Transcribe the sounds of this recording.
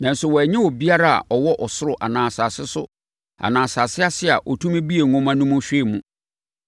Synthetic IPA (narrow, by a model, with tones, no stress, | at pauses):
nã˨˦n̩˦sʊ˨wɔ˨æ˨ɲɪ̃˦wɔ˨bi˦a˦ɾa˦a̰˨ʔɔ˨wɔ˦ʔɔ˨sʊ˦ɾʊ˨ʔa˨nãː˨saː˨sɪ˦sʊ̰˦ | a̰˨nãː˨saː˨sɪ˦a˦sɪ˦a̰˨ʔɔ˨tʰũ˦mẽ˦bi˦e˨ŋʊ̃˦mã˦nũ˦mũ˦ɕᶣe˦˨mũ˦